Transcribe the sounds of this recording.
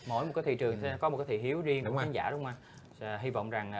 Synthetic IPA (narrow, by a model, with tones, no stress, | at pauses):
mo̰˧˩jm̚˨˩kaː˨˦jt̪ḭ˧˨t͡ɕɨ˨˩əŋʰ˧˦kɔ˨˦m̚˨˩kaː˨˦t̪ʰḭ˧˨˩hi˨˦əwzi˧əŋɗŋ͡mkaː˨˦za̰ː˧˩ɗʊ˨˦wŋ͡mʔaː˧˩ | ɦi˧vɔ̰˧˨wŋ͡mza˨˩ŋ